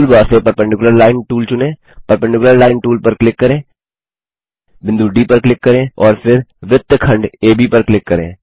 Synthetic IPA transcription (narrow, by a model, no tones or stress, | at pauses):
ulbaːsepɐɾpəɳʈɪkʊləɾlaːɪnʈuːlt͡ʃʊnẽː | pɐɾpɛɳʈɪkʊləɾlaːɪnʈuːlpɐɾklɪkːɐɾẽː | bɪ̃nd̪uːɖiːpɐɾklɪkːɐɾẽːɔːɾfɪɾʋɪt̪ːəkʰɐ̃ɳɖeːbʱipɐɾklɪkːɐɾḛ̃ː